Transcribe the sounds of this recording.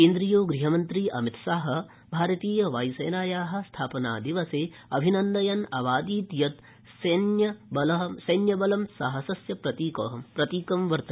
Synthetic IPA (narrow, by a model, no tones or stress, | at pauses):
keːnd̪ɾijoːɡɾiɦɐmɐnt̪ɾiːʔɐmit̪saːɦɐ̆ | bʱaːɾɐt̪iːjɐʋaːjseːnaːjaːɦɐ̆st̪ʰaːpɐna̰ːd̪iʋɐseː | ɐbʱinɐnd̪ɐjɐnɐʋaːd̪iːt̪jɐt̪ | snjɐbɐlɐɦsɐjnjɐbɐlɐmsɐɦɐsɐsjɐpɾɐt̪iːkoːɦɐmpɾɐt̪iːkɐmʋɐɾt̪ɐ